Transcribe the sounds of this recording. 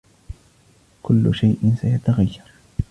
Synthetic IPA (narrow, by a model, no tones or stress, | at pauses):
kʊlːʊʃajʔɪnsajat̪aɣajːɑɾˤ